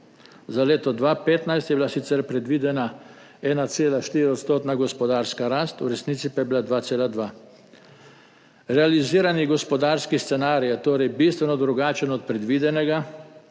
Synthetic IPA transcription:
zaleːt̪ɔd̪ʋaːpeːt̪najst̪jɛbilasit̪sɛɾpɾɛd̪ʋiːd̪ɛna | ɛːnat̪seːlaʃt̪iːɾioɔt̪st̪oːt̪naɡɔspɔd̪aːɾskaɾaːst̪ṵɾɛsniːt̪sipajɛbilad̪ʋaːt̪seːlad̪ʋaː | ɾɛaliziːɾaniɡɔspɔd̪aːɾskist̪sɛnaːɾijɛt̪oːɾɛjbiːst̪ʋɛnɔd̪ɾuɡaːt͡ʃənɔt̪̚pɾɛd̪ʋiːd̪ɛnɛɡa

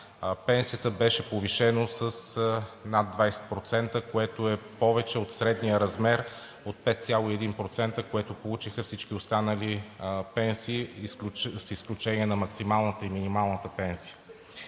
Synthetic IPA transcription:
pɛnsijət̪əbɛʃɛpoviʃɛnosəsnad̪vajsɛ̥t̪̚pɾot̪sɛnt̪əkoɛt̪oɛpɔvɛt͡ʃɛot̪sɾɛd̪nijəɾɐzmɛɾ | ot̪̚pɛt̪t̪sʲjalˠoiɛd̪inpɾot̪sɛnt̪əkoɛt̪opolˠut͡ʃixəfsit͡ʃkiost̪anəlipɛnsiːlsisklʲut͡ʃɛniɛnɐmɐksimalˠnət̪əiminimalˠnət̪əpɛnsiə̥

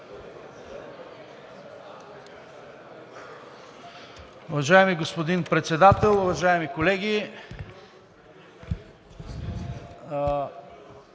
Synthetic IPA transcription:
ʊvɐʒaɛmiɡospod̪inpɾɛt̪sɛd̪at̪ɛlˠʊvɐʒaɛmikolɛɡʲi

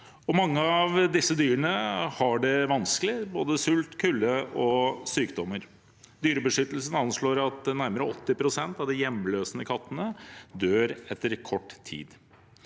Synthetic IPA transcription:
ɔmɑŋːəɑʋd̪ɪsːəd̪yːɾəɳəhɑɖɛʋɑnsklɪboːd̪əsʉlt̪kʰʉlːəɔsyːkd̪ɔmːəɾ | d̪yːɾəbəʂʏt̪əl̩sən̩ɑnʂɭoːɾɑt̪̚d̪ɛnæɾməɾəɔt̪ːɪpʰɾʊsɛnt̪ɑʋd̪ɪjɛmløːsənəkʰɑt̪ːənəd̪øːɾɛt̪ːəɾkʰɔʈːt̪ʰːḭːd̪

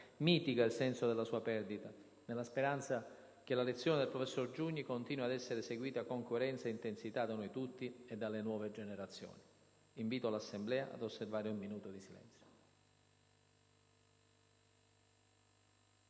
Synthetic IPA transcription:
miːt̪iɡailsɛnsod̪elːasuːapɛrd̪it̪a | nelːaspeɾant̪sa | k̟elalet̪sːjoːned̪elpɾofesːord͡ʒuɲːikont̪iːnwad̪ɛsːeɾeseɡwiːt̪akoŋkoeɾɛnt̪saeint̪ensit̪ad̪anojt̪ut̪ːied̪ːalːenwɔːved͡ʒeneɾat̪sjo̰ːni | iɱviːt̪oalasːemblɛːaʔa̰d̪osːervaːɾeumːinuːt̪od̪isilɛ̰nt̪sjo̥

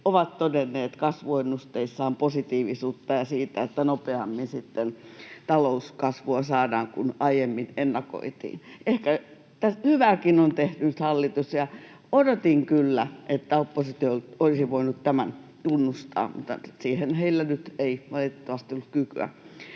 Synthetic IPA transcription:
oʋɑt̪t̪odenːeːt̪kɑsʋoenːust̪eisːɑːmposit̪iːʋisuːt̪ːɑjɑsiːt̪æet̪ːænopeɑmːinsit̪ːent̪ɑlouskɑsʋuɑsɑːdɑːŋkunɑijemːinenːɑko̰it̪ḭːnʔehkæ | t̪æhyʋæːkinont̪eht̪ynt̪hɑlːit̪usjɑ | odot̪iŋkylːæʔet̪ːæopːosit̪iolt̪olisiʋoinut̪t̪æmænt̪unːust̪ɑ̰ːmṵt̪ːɑ̰siːhenheilːænyt̪eiʋɑlit̪et̪ːoʋɑst̪iolːukkyky̰æ̰

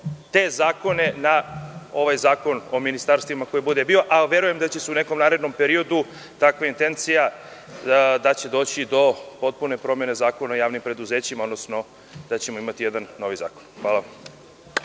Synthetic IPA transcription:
t̪e̞zaːko̞ne̞nao̞ʋajzaːko̞no̞minist̪aːɾst̪ʋimako̞jebud̪ebio̞ʔaʋe̞ɾuje̞md̪at͡ɕeseune̞ko̞mnaːɾed̪no̞mpe̞ɾio̞d̪u | t̪akʋaint̪e̞nt̪sija | d̪at͡ɕe̞d̪o̞ːt͡ɕid̪o̞po̞t̪̚pune̞pɾo̞mje̞ne̞zaːkonaojaːʋnimpɾe̞d̪uzeːt͡ɕimaod̪nosno̞ | d̪̥at͡ɕemo̞imat̪ije̞d̪anːo̞ʋiza̰ːkonxʋaːla

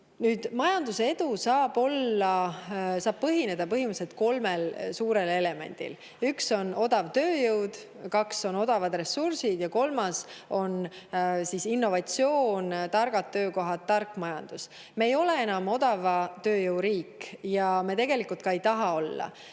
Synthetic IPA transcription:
nyːd̪̥mɑjɑnd̪useed̪usɑːb̥o̞lːɑsɑːb̥̚pɤɦine̞d̪̥ɑpɤɦimuse̞t̪̚ko̞lmelsuːɾe̞le̞le̞me̞̰nʲd̪̥ḭl | ykso̞no̞d̪̥ɑvt̪ø̞ːjɯwd̪ | kɑkso̞no̞d̪̥ɑvɑd̪̥re̞sursid̪̥jɑko̞lmɑso̞nsisinːo̞vɑt̪sio̞ːnt̪ɑrɡ̥ɑt̪ːøːko̞ɦɑt̪ːɑrkːˑmɑjɑnd̪̥us | meejo̞le̞e̞nɑmo̞d̪̥ɑvɑt̪ø̞ːjɯwɾiːkːjɑmet̪e̞ɡ̥e̞likˑult̪kɑe̞jt̪ɑɦɑo̞lːɑ̰

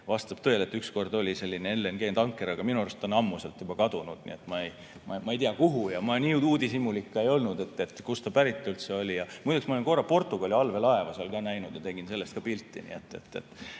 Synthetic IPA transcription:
vɑst̪ɑb̥t̪ø̞ele̞t̪ːˑyksko̞rd̪o̞lʲise̞lʲːineelːenɡ̥e̞ːnt̪ɑŋkːˑe̞ɾɑɡ̥ɑminuerst̪onɑmːuse̞lt̪jub̥ɑkɑd̪̥unud̪̥nḭet̪ːmɑej | mɑmɑejt̪iɑkuɦujɑmɑniːuːd̪isimulikːɑe̞jo̞lnud̪e̞t̪ːe̞t̪ːkust̪ɑpæɾit̪ːˑult̪se̞o̞lʲijɑmujd̪uksmɑolenko̞rːɑpo̞rt̪ːˑuɡ̥ɑlʲiɑlve̞lɑe̞vɑseɑlkɑːnæjnud̪̥jɑt̪e̞ɡ̥inselːest̪̚kɑpilt̪ːˑḭnḭet̪ːe̞̰t̪ˑːḛt̪ːˑ

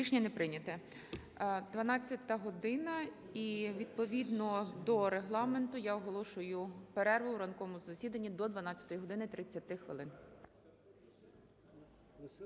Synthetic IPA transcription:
iʃnʲinepɾɪnʲɐt̪ɛ | d̪ʋɐnɑt͡sʲːɐt̪ɐɦɔd̪ɪnɐ | iʋʲid̪̚pɔʋʲid̪nɔd̪ɔɾeɦlˠɑme̞nt̪ʊjaɔɦɔlˠɔʃʊjʊpeɾɛrʋɪuɾɐnkɔmʊzɐsʲid̪ɐnʲːid̪ɔd̪ʋɐnɑt͡sʲːɐ̥t̪ɔjiɦɔd̪ɪnɪt̪ɾɪt͡sʲːɐt̪ɪxʋɪ̰lˠɪn

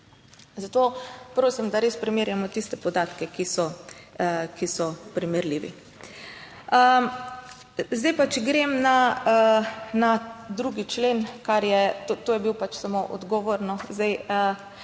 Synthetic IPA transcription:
zat̪oːpɾoːsimd̪aɾeːspɾɛmeːɾjamɔt̪ist̪ɛpɔd̪aːt̪kɛkisɔ | kisɔpɾimɛɾliːʋḭ | ə | zd̪ajpat͡ʃɡɾemna | nad̪ɾuːɡit͡ʃleːnkaɾjɛt̪ot̪oːjɛbiwpat͡ʃsamoʔɔ̰d̪ɡɔʋoɾnɔzd̪ajə

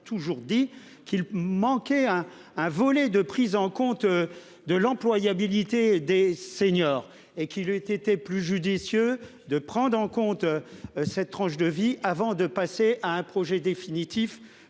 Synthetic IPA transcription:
t̪ʰuʒuʁd̪i | kilmɑ̃kʲɛɛ̃ː | vɔlɛd̪əpχizɑ̃kɔ̃t̪ | d̪əlɑ̃plwajabilit̪ed̪eseɲɔːʁ | ekʲilyt̪et̪eplyʒyd̪isjø | d̪əpχɑ̃d̪ʁɑ̃kɔ̃t̪sɛt̪t̪ːχɑ̃ʃd̪əviʔavɑ̃d̪əpaseʔaɛ̃pχɔʒɛd̪efinit̪if

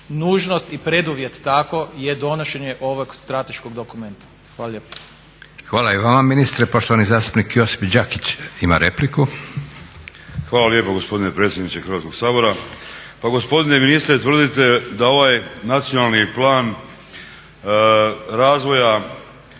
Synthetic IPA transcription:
nuːʒno̞st̪ipɾe̞d̪uʋjet̪ːakojed̪o̞noʃe̞ɲeʔo̞ʋoɡst̪ɾat̪eʃkoɡd̪okument̪ḁ | xʋaːlalʎepḁ | xʋaːlaiʋaːmaminist̪ɾepo̞ʃt̪oanizaːst̪u̥pnikjo̞si̥fd͡ʑakit͡ɕima̰ɾe̞pliku | xʋaːlaljepoɡo̞spo̞d̪inepɾeːt̪sjed̪nit͡ʃ̪exɾʋaːt̪ko̞ɡ̥saːbo̞ɾa | paɡo̞spo̞d̪ineminist̪ɾet̪ʋr̩d̪it̪e̞d̪ao̞ʋajnat̪sionalniplˠaːn | ɾaːzʋo̞ja

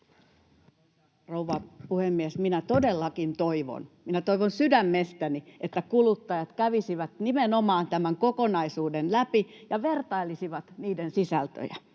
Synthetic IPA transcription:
rouʋɑpuhemːiesminæt̪odelːɑkint̪oiʋo̰nminæt̪oiʋonsydæmːest̪æniʔet̪ːækulut̪ːɑjɑt̪kæʋisiʋæt̪nimenomɑːnt̪æmæŋkokonɑisuːdenlæpijɑʋert̪ɑilisiʋɑt̪niːdensisælt̪ø̰jæ̰

